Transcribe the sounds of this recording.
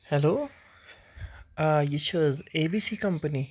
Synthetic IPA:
hɛloː | ajit͡ʃəzeːbiːsiːkɐmpəni

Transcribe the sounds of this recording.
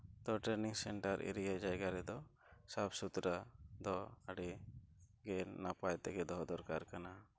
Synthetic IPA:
d̪ɔʈɾeniŋsɛɳʈaɾʔḭɾijajd͡ʒajɡaɾɛd̪ɔ | sapʰsut̪ɾad̪ɔaɽi | ɡɛnapajt̪ɛɡɛd̪ɔɦd̪ɔɾkaɾkana

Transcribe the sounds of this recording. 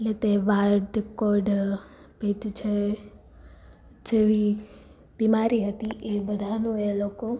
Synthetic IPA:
eʈlet̪eʋaɾɖkɔɾɖ | pet̪ut͡ʃʰe | d͡ʒeʋi | b̥imaɾiɦət̪iʔebəd̪ʱanũeloko

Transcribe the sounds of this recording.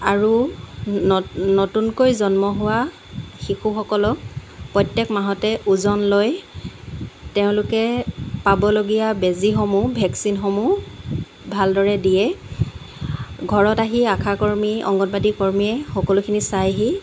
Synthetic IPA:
aɹu | ɔnɔtunkojzɔnmɔɦʊwa | xixuxɔkɔlɔk̚pɹɔjtjɛkmaɦɔtɛʔuzɔnloj | teʊ̃lʊkɛpabɔloɡijabezixomubʱɛksinxɔmu | bʱaldɔɹɛdijɛ | ɡʱɔɹɔtaɦiakʰakoɹmiɔ̰ŋɡɔnbadikɔɹmijɛxɔkɔlukʰinisajaɦi

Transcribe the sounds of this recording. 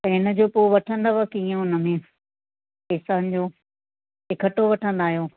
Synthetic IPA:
ɪnə̆d͡ʑoːpoːɪʋɐʈʰə̃nd̪aːʋakiẽʊnə̆mẽ | ɪːsaːnɪ̆d͡ʑoː | ɪkʰəʈoʋɐʈʰə̃nd̪aːɦijoː

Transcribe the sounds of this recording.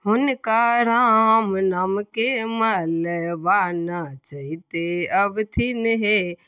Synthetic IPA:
ɦʊnkaɾãɦmnamkemaləʋaːnat͡ʃəɦit̪eɐbt̪ʰinəɦe

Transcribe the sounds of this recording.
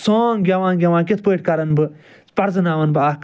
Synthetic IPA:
soːŋɡʲɐʋãːnɡʲɐʋãːnkʲit̪̚ʰpəːʈʲkɐɾɐnbɨ | pɐɾzɨnaːʋɐnbaːk

